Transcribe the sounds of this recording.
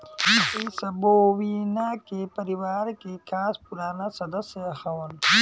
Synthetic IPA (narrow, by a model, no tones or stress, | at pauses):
iisɐboːwinakepɐɾiwaːɾkekaːspuɾaːnasɐd̪ɐseɐxɐwɐn